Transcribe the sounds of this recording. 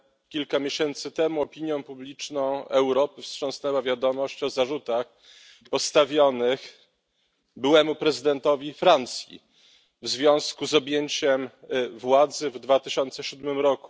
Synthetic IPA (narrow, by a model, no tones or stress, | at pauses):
kʲilkamʲjeɕɛnt̪sɘt̪ɛmuɔpʲiɲjɔ̃w̃publʲit͡ʂnɔ̃w̃ɛwɾɔpɘfstʂɔ̃w̃snɛwavʲjad̪ɔmɔɕt͡ɕɔzaʐut̪ax | pɔst̪avʲjɔnɘx | bɘwɛmupɾɛzɘd̪ɛnt̪ɔvʲifɾant̪sʲjḭ | vzvʲjɔ̃w̃skuzɔbʲjeɲt͡ɕɛmvwad̪zɘvd̪vat̪ɘɕɔnt̪sɛɕud̪mɘmɾɔku̥